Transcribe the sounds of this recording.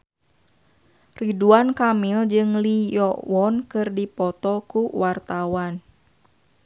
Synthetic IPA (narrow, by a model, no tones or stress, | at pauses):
riduankamild͡ʒɨŋlijɔwɔnkɨrdipɔt̪ɔkuwart̪awan